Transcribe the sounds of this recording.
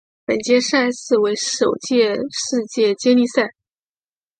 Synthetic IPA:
pə˨˩nt͡ɕjɛ˥ʂa˥˧ɪsɹ̩˥˩we˧˥ɪʂo˨˩ʊt͡ɕjɛ˥˧ʂɻ̩˥˧t͡ɕjɛ˥˧t͡ɕjɛ˥nli˥˧sa˥˩ɪ

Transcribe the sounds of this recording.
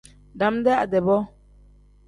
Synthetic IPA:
da˨mdɛ˦a˨dɛ˨bɔ˦

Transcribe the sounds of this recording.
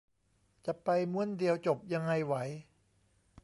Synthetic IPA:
t͡ɕa˨˩pa˧jmu˥˩əndi˧əwt͡ɕo˨˩p̚ja˧ŋːa˧jwa˩˦j

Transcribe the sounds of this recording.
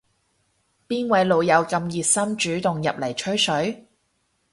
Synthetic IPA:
piː˥nwɐ˨˥jlo˨˧wjɐ˨˧wkɐ˧mjiː˨t̚sɐ˥mt͡ʃyː˨˥t̪ʊ˨ŋjɐ˨p̚lɐ˨˩jt͡ʃʰɵ˥ɥsɵ˨˥ɥ

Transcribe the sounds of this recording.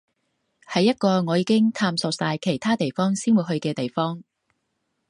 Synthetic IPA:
hɐ˨jːɐ˥t̚kɔː˧ŋɔː˨˧jiː˧kɪ˥ŋt̪ʰaː˧mso˨˩k̚saː˧jkʰe˨˩jt̪ʰaː˥t̪e˨jfɔː˥ŋsiː˥nwu˨˧jɦɵ˧ɥkɛː˧t̪e˨jfɔː˥ŋ

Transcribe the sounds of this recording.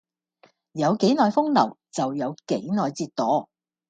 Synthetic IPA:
jɐ˨˧wke˨˥jnɔː˨˩jfʊ˥ŋlɐ˨˩wt͡sɐ˨wjɐ˨˧wke˨˥jnɔː˨jt͡siː˧tt̪ɔː˨˥

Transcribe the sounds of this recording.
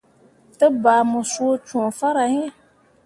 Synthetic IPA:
tɨ˦baː˨mʊ˨su˦o˦t͡ʃũ˨fa˦ɾa˨ɲɛ˦

